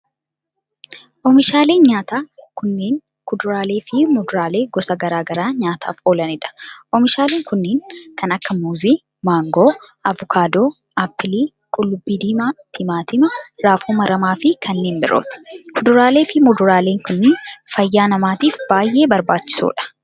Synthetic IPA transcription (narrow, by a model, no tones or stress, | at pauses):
ʔɔmɪʃaːleːnɲaːt̪aːkʊnːeːŋ | kʊd̪ʊɾaːle̞ːfɪmɔd̪ʊɾaːle̞ːɡɔsɐɡɐɾaːɡɐɾaːɲaːt̪ʰa̰ːfoːlɐnɪᶑɐ̥ʔɔmɪʃaːleːŋkʊnːeːŋkɐnɐkːɐmuːziː | maːŋɡoːʔɐvɔkʰaːd̪oː | ʔapːɪliː | kʼʊlːʊbːiːd̪iːmaːt̪ʰɪmaːt̪ɪmɐɾaːfuːmɐɾɐmaːfɪkʰɐnːeːmbɪɾʔo̰ːt̪kʰʊd̪ʊɾaːleːfɪmɔd̪ʊɾaːle̞ːŋkʊnːenfɐjːaːnɐmaːt̪iːfb̥aːjʔe̞ːbɐɾbaːt͡ʃːɪ̥sṵːᶑɐ̥